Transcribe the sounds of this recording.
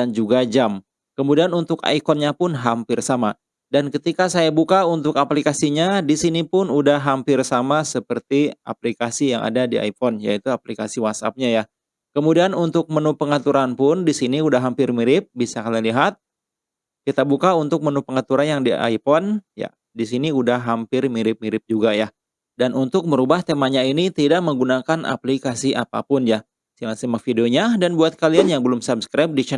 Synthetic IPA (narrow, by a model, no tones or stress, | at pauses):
dand͡ʒuɡad͡ʒam | kəmudianunt̪ʊka̰ikɔnɲapʊnɦampɪrsama | dankət̪ikasajabukaunt̪ʊkaplikasiɲadisinipʊnudaɦampɪrsamasəpərt̪ia̰plikasijaŋa̰dadia̰ifɔnja̰it̪uaplikasiwat̪̚sa̰p̚ɲaja | kəmudianunt̪ʊk̚mənupəŋat̪uɾanpʊndisiniudaɦampɪrmiɾɪp̚bisakaliliɦat̪̚ | kit̪abukaunt̪ʊk̚mənupəŋat̪uɾanjaŋdiʔa̰jpɔnja̰ | disiniudahɦampɪrmiɾɪp̚miɾɪp̚d͡ʒuɡaja | danʔunt̪ʊk̚məɾubaht̪emaɲainit̪idaʔ̚məŋɡunakanʔa̰plikasiʔapa̰pʊnja | silasimak̚fideoɲadanbuat̪̚kalianjaŋbəlʊmsabskɾajp̚dit͡ʃɛ